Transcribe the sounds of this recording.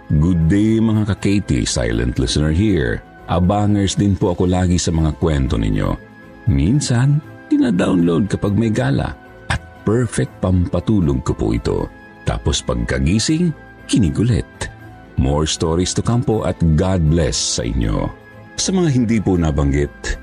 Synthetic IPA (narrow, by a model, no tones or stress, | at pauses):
ɡʊd̪̚ːejmɐŋakɐkɛjt̪ḭsa̰jlɛ̰̃nt̪lɪ̰sɛnɛɹɦiɹ | ʔɐ̰baːŋɛɹsd̪ɪnpoʔɐko̞laːɡisɐmɐŋakwɛnt̪o̞̰nɪ̰ɲo̞̰ | minsɐn | d̪ɪnad̪awnlowd̪̚kɐpaɡ̚mɐjɡaːlɐ̰ | ʔɐt̪̚pɛɹfɛk̚t̪̚pɐmpɐt̪uːloɡ̚kopʊ̰ʔɪ̰t̪o̞̰ | t̪a̰ːpospɐɡ̚kɐɡiːsɪŋ | kɪniɡʊlɛ̰t̪̚ | moɹst̪oɹist̪ʊkampoʔɐ̰t̪̚ɡad̪̚blɛsːɐ̰ʔɪ̰ɲːo̰ | sɐmɐŋaɦɪnd̪iponɐbɐŋɡɪt̪̚